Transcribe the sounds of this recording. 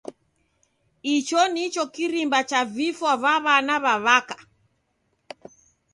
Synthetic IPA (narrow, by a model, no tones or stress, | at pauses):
it͡ʃɔnit͡ʃɔkiɾimbat͡ʃavifwaβaβanaβaβakḁ